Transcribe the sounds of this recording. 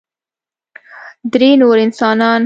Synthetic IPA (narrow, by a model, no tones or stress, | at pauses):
d̪ɾenoɾɪnsɑnɑn